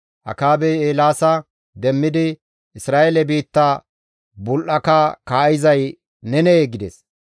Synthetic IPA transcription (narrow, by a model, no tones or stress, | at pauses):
ʔɐ̰kaːbɛjeːlaːsɐ | d̪ɛmːɪd̪ɪ | ɪsɾaːʔelɛbiːt̪ːɐ | bʊlʔɐkɐkaːɪzɐj | nɛnɛɡɪd̪ɛs